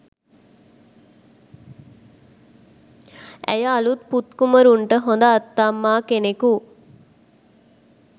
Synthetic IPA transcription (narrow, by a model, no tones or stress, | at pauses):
æ̰jəalut̪̚put̪kuməɾuɳʈəɦond̪əːt̪ːamːaːkeneku